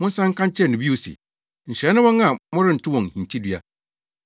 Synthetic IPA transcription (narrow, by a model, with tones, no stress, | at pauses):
mʊ̃˦n̩˦sã˦ŋ̩˦kʰã˦ɲ˦t͡ɕʰɛ˦˨nʊ̃˨bi˦o˨sḭ˨ | n̩˨ɕnʊ̃˦wɔ̃˦ŋã˨mɔ̃˦ɾɪ˦n̩˨tʰʊ˦wɔ̃˨ŋ˨hĩ˨n˨tʰi˦dɥa̰˦